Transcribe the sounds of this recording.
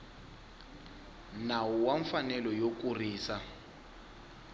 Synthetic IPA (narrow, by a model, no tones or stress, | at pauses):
nawuwaɱfanɛlɔjok̬ʼuriːsa